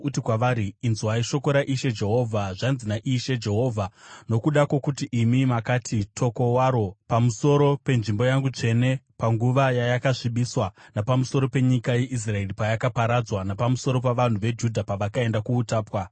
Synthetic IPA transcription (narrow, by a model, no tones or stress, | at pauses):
utikwaʋaɾiinzuaiʃo̞ko̞ɾaʔiʃe̞d͡ʒe̞ɦo̞ːvʱaʐanzinaʔiʃe̞d͡ʒe̞ɦo̞ːvʱano̞kuɗakwo̞kutiʔimimakatʰitʰo̞ko̞waɾo̞pamuso̞ɾo̞pe̞nʐimbo̞jaŋɡut͡ʂe̞ne̞paŋɡuʋajajakaʂiɓiswanapamuso̞ɾo̞pe̞ɲikaje̞ʔis̬rae̞ripajakapaɾad͡zwanapamuso̞ɾo̞p̬aʋan̤uʋe̞d͡ʒudʱapaʋakae̞ndakuːtaːpwa